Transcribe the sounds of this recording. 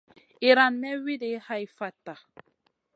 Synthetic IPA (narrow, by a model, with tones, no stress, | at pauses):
i˨ɾa˨nmɛ˦wi˦de˨˦ha˦i˨fa˨ta˨